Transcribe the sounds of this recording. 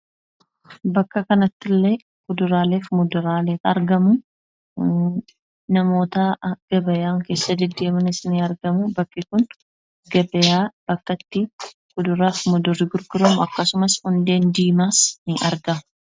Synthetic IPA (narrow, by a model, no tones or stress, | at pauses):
bɐkːɐkɐnɐt̪ːɪlːe | ɡ̥ʊd̪ʊɾaːleːfmʊd̪ʊɾaːleːt̪ɐɾɡɐmʊ | nɐmo̞ːt̪ɐɡ̥ɐbɐjaːŋke̞ːsːɐd̪ɪd̪eːmɐnɪsɪniɐɾɡɐmʊbɐkːɪkʊn | ɡɐbɐjaːb̥ɐkːɐt̪ːɪ | ɡʊd̪ʊɾaːfmʊd̪ʊrːɪɡʊɾɡʊɾɐmʊɐkːɐsʊmɐshʊnd̪e̞ːnd̪iːmaːsnɪʔɐɾɡɐʊ